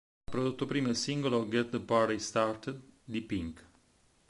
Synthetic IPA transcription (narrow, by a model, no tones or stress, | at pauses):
apɾod̪ut̪ːopɾimesiŋɡoloɡet̪̚d̪əpaɾɾist̪art̪ed̪d̪ipiŋk